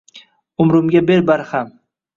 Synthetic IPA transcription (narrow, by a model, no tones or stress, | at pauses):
ʊmɾʊmɡʲabe̞ɾbaɾham